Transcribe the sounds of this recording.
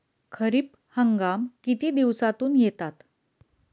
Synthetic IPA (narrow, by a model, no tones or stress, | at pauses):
kʰəɾiːp | həŋɡamkit̪iːd̪iʋsat̪uːnjet̪at̪